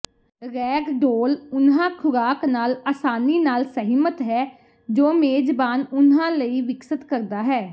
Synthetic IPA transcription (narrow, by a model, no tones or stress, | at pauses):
ɾɛːɡɖoːlʊnãːkʰʊɾaːknaːlaːsaːniːnaːlsəɦimət̪ɦɛː | d͡ʒoːmeːd͡ʒbaːnʊnãːləiːʋɪksət̪kəɾd̪aːɦɛː